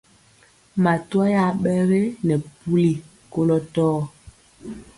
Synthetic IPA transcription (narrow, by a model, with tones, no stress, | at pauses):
ma˨twa˦ja˦˨ɓɛ˦ɣe˦nɛ˨pu˦li˨ | ko˦lɔ˦tɔː˦